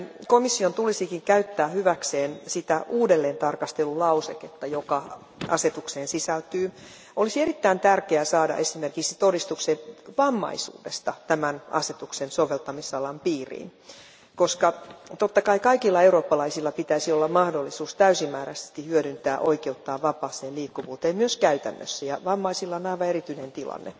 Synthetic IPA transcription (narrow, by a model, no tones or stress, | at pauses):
komisːiont̪ulisikiŋkæyt̪ːæːhyʋækseːnsit̪æʔuːdelːeːnt̪ɑrkɑst̪elulɑuseket̪ːɑjokɑ | ʔɑ̰set̪ukseːnsisælt̪yː | olisierit̪ːæint̪ærkeæsɑːdɑ̰ʔesimerkiksi̥t̪odist̪ukseʋɑmːɑ̰isṵːdest̪ɑt̪æmænɑ̰set̪uksensoʋelt̪ɑmisɑlɑmpiːrḭːn | koskɑt̪ot̪ːɑkɑikɑikilːɑeuroːpːɑlɑisilːɑpit̪æisiolːɑmmɑhdolːisuːst̪æysimːæːɾæse̥st̪ihyødynt̪æːʔoikeut̪ːɑːʋɑpɑːsˑeːliːkːuʋuːt̪eːmmyøskæyt̪æ̰nːø̰sːæjɑʋɑmːɑisilːɑonɑiʋɑerit̪ynent̪ilɑ̰nːḛ